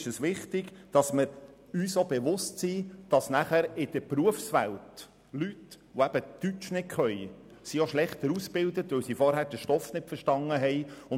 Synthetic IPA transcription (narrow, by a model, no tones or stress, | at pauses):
ʃəsʋɪχt̪ɪɡ̥d̥ɑsməɾ | yːsobeʋʊstsiːd̥ɑsnæχæɾɪd̥əpruəfsʋælt | lytʋoæb̥ət̪yt͡ʃnɪkʰχœj | sioʃlɛχt̪əɾusb̥ɪld̪ət̪ʋɵlsifɔɾhæːɾd̥əʃtɔfnɪtfəʃtɑnːəɦɛjʊn